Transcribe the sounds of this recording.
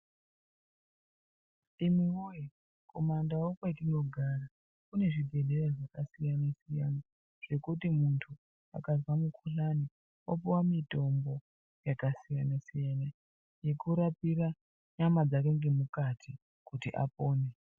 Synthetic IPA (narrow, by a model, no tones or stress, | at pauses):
imiuji | ko̞mandawokwaitino̞ɡʱara | kune̞ʐidʱe̞ɮe̞reʐakasijanasijana | ʐ̥e̞kutimuntʰu | a̰kazwamukʰuɬani | opiwamito̞mbo̞ | jakasijanasijana | je̞kuɾapira | ɲamad͡zake̞ŋɡe̞mukatʰi | kutiʔa̰poːne